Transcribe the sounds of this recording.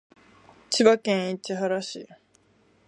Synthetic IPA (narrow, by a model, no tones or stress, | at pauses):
t͡ɕiβakẽit͡ɕiɦaɾaɕḭ